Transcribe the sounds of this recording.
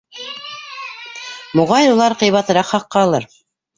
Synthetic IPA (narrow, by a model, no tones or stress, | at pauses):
moʁɑjulˠɑɾqɤ̆jβɑt̪ɤ̆ɾɑqχɑqːɑːlˠɤɾ